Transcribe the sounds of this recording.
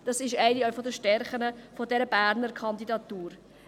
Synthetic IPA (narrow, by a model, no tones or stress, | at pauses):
d̥ɑsɪʃæɪniɔfɔdəʃtɛɾχənəfɔdɛɾəbæːɾnəɾkʰɑnd̪idɑt̪uːɾ